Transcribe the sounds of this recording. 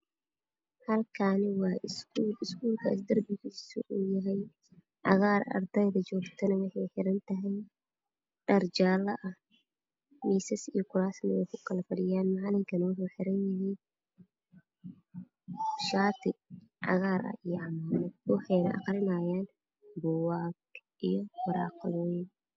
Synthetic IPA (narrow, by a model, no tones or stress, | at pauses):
hɐlkʰanɪwɑːʔɪskuːlɪskuːlkʰɐ̰ɪsd̪ɐrbɪɣisʊʔujɐɦɛj | ʕɑ̰ɣaːrɐ̰rd̪ɛjðɐt͡ʃɔːɡt̪ʰɐnɐwɑħɑjħɪɾɐnt̪ʰɐɦɛj | ɖɐrd͡ʒaːlɐʔɐh | miːsɐsijɔkʰʊɾaːsnɐwɛjkʰʊkʰɐlɐfɐɽɪjaːnmaʕlɪŋkʰɐnwʊħuːħɪɾɐnjɪɦiːn | ʃaːt̪ʰɪʕɑ̰ɣaːɾɐ̰ijɔʕɑmaːnɛd̪wʊħɛjnɐʔɑ̰qɾɪnaːjaːn | bɔwaːɡ | ʔijɔwʊɾa̰ːqlin